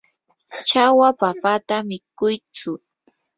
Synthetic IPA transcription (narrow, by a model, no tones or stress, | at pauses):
t͡ʃawapapat̪amɪkʊjt͡sʊ